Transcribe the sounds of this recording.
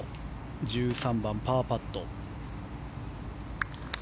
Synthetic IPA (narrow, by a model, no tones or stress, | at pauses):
d͡ʑɨːsãmbãmpaːpat̪ːo